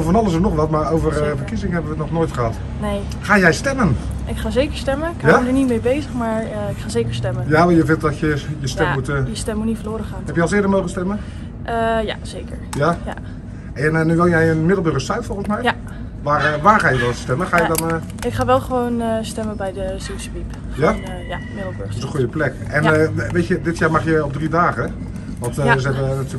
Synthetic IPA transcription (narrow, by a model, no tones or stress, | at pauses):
ofɔnɑlˠəɪs̬ənɔχʋɑtmaːrowvərvərkizɪŋəɦɛbəʋətnɔχnoːjtχəɦɑt | nej | χaːjɛjstɛmən | ʔɪkχaːzejkəɹstɛməkaaəɹnitmejbejzəχmaːɹɪkχaːzejkəɹstɛmənjaʋjəvɪntdɔtjəjəstɛmmutjəstɛmunitfəloːɾəχaːnɦɛpjɛjɑlˠsɪːdəɹmowχənstɛmən | ʔəja̰z̥ejkəɹjaja̰ | ɛnnyʋɪlˠjɛjənmɪdəl̩ˠbøɣəstɛɥtfɔlˠənsmɛj | ʋaːrʋaːrχaːjəʋɛlˠstɛməxaːjədɔn | ɪkχaːʋɛlˠχəʋoːnəstɛməbɛjdəsesəʋip | ja | ja | mɪdl̩ˠbɪsəχujəplɛk | ɛnʋeːjtədɪtʰjaːɹmaχjəɔbdridaːɣə | ʋɔntzəɛbənaty